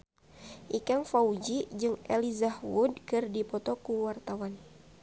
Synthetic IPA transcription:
ʔikaŋfaud͡ʒid͡ʒɨŋʔɛ̰lizahwudkɨrdipɔt̪ɔkuwart̪awan

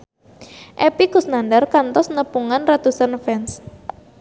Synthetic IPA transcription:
ʔɛpiɡṳsnandarkant̪ɔsnəpuŋanrat̪usanfɛns

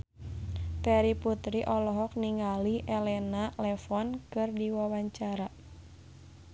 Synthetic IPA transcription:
pɛɾiput̪ɾiʔɔlɔɦɔk̚niŋaliʔɛlɛnalɛfɔnkɨrdiwawaɲt͡ʃaɾa

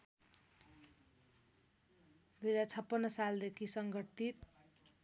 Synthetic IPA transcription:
d̪ud͡zat͡sʰʌpːʌnːʌsald̪ekʰisʌŋɡʌt̪it̪̚

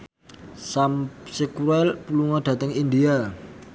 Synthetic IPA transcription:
samsekuɾɛlpuluŋaɖ̪̥ä̤t̪əŋind̪ia

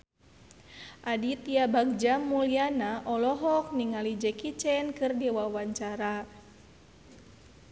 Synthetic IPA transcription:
ʔadit̪iabak̚d͡ʒamːulianaʔɔlɔɦɔk̚niŋalid͡ʒɛkit͡ʃɛnkɨrdɛwawaɲt͡ʃaɾa

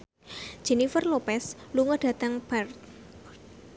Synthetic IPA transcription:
ʒ̥e̤nifərlopɛsluŋɔɖ̥ä̤t̪aŋb̥art̪

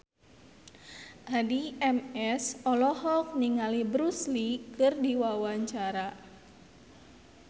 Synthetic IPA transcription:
ʔadiɛmɛsɔlɔɦɔk̚niŋalibɾuslikɨrdiwawaɲt͡ʃaɾa

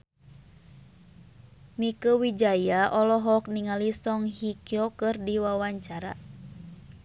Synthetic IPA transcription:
mikəwid͡ʒajaʔɔlɔɦɔk̚niŋalisɔŋɦikiɔkɨrdiwawaɲt͡ʃaɾa̰

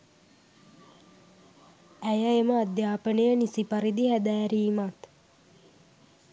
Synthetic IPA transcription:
æjəeməad̪jaːpənəjənisipaɾid̪ihæd̪æːɾiːmat̪

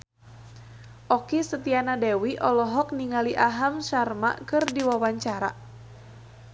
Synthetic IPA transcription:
ʔɔkisət̪ianadɛwiʔɔlɔɦɔk̚niŋaliʔaɦamʃarma̰ʔkɨrdiwawaɲt͡ʃaɾa̰

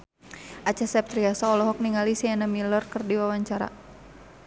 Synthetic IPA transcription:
ʔat͡ʃasɛp̚t̪ɾiasaɔlɔɦɔk̚niŋalisianamilərkərdiwawaɲt͡ʃaɾa̰

